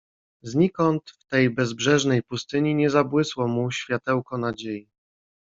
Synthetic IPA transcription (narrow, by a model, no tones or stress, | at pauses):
zɲikɔnt̪ft̪ɛjbɛzbʐɛʐnɛjpust̪ɘɲiɲɛzabwɘswɔmuɕfʲjat̪ɛwkɔnad͡ʑeji